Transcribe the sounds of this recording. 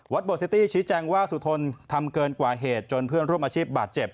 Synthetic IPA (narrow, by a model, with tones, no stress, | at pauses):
wa˦˥t̪̚boː˨˩si˦˥t̪iː˥˩t͡ɕʰiː˦˥t͡ɕɛː˧ŋwaː˥˩su˨˩t̪ʰo˧nt̪ʰa˧mkɤː˧nkwaː˨˩ɦeː˨˩t̪̚t͡ɕo˧npʰɯ˥˩ənɾu˥˩əmʔa˧t͡ɕʰiː˥˩p̚baː˨˩t̪̚t͡ɕe˨˩p̚